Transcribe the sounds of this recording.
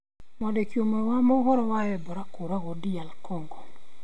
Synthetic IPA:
mɔdɛkiomawamɔɣɔɾɔwaɛbɔɾakoɾaɣɔdialkɔŋɡɔ

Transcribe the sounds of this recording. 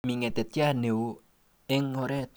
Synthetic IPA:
miŋɛt̪et̪jahneu | ɪŋoɾɛt̪

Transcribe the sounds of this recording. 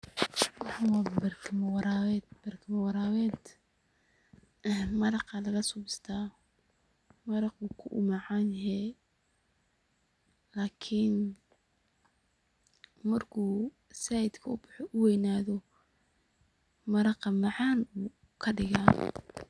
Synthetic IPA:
wɑħawɑːbɐrkʰɪmɐwɑɾaːwɛːd̪̚bɐrkʰɪmɐwɑɾaːwɛːd̪ | mɐɾɑqɐlɐɣɐsʊbɪst̪ʰaː | mɐɾɑquːkʰʊʔʊ̰mɑʕɑːnhɛ | laːkʰɪn | mɐrkʰuː | saːjɪd̪kʰɐʊbʊħɔʔʊwɛjnaːðɔ | mɐɾɑqɑmɑʕɑːnuː | kʰɐɖɪɣaː

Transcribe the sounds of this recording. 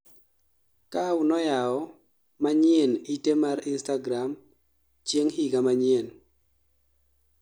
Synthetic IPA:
kaʊnɔjaɔ | maɲjenitemaɾinstaɡɾam | t͡ʃjeŋhiɡamaɲien

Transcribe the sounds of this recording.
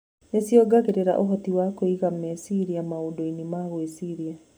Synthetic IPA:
nesjɔɡaɣeɾeɾa̰ʔoɦɔtiwakoiɣamɛsiɾiamaodoinimaɣwesiɾia

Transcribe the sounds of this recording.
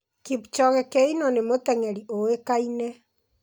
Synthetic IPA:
kiput͡ʃɔɣɛkɛinɔnemot̪ɛŋɛɾioekainɛ

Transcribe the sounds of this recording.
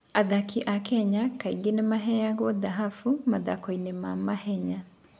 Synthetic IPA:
aðakiʔakɛɲakaiɡenemaɦɛaɣwɔðaɦafumaðakɔinemamahɛɲa

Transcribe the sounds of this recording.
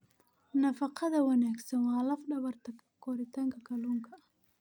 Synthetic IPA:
nɐfɐqɑðɐwɐnaːɡsɐnwɑːlɐfɖɐβɐrt̪ʰɐkʰɐkʰɔɾɪt̪ʰaŋkʰɐkʰɐluːŋkʰɐ

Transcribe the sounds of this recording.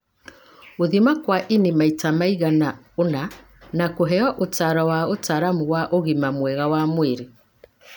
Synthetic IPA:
oðimakwaʔinimaitamaiɣana | ona | nakoɦɛɔʔotaɾɔwaotaɾamuwaʔoɣimamwɛɣawamweɾe

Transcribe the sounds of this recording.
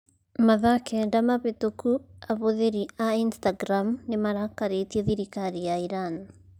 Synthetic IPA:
maðakʰɛndamaβetokuaβoðeɾiainstaɡɾamnemaɾakaɾetiɛðiɾikaɾijaiɾan

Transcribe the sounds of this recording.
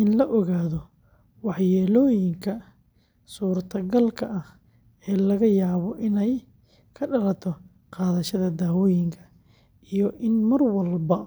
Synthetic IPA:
ʔɪnlɐʔɔɣaːðɔ | wɑħjɛːlɔːjɪŋkʰɐ | suːrt̪ʰɐɡɐlkʰɐʔɐh | ɛːlɐɣɐjaːβɔʔɪnɛj | kʰɐɖɐɾɐt̪ʰɔ | qɑːðɐʃɐðɐd̪aːwɔːjɪŋkʰɐ̥ | ʔijɔʔɪnmɐrwɐlbɐ

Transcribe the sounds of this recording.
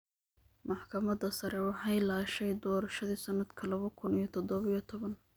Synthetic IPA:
mɑħkʰɐmɐd̪ɐsɐɾɛwɑħɑjlaːʃɛjd̪ɔːɾɐʃɐðiːsɐnɐd̪kʰɐlɐβɐkʰʊnijɔt̪ʰɔd̪ɔβɪjɔt̪ʰɔβɐn

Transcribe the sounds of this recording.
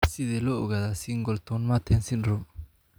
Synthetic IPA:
sid̪ɛlɔʊɡad̪asiŋɡɔlt̪ʰɔnmat̪ʰɛnsinɾɔm

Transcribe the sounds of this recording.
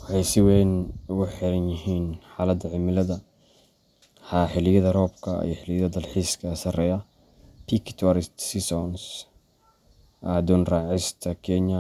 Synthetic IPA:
wħɛjsɪwɛjnʊɣʊħɛɾɐnjɪɦiːnħaːlɐd̪ɐʕɪmɪlɐðɐ | ħaħɪlɪjɐðɐrɔːbkʰɐ̰ḭjɔħɪlɪjɐðɐd̪ɐlħiːskʰɐsɐrɛːjɐ | pʰikʰt̪ʰwaɾɪst̪sisɔns | ʔaːd̪ʊnraːʕɪst̪ʰɐkʰɛnjɐ

